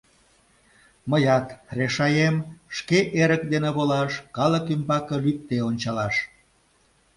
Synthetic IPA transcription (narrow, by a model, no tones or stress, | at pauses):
məjɑt̪reʃɑjemʃkeʔeɾək̚d̪eneβolɑʃkɑləkymbɑkəlyk̚t̪eonʲt͡ɕɑlɑʃ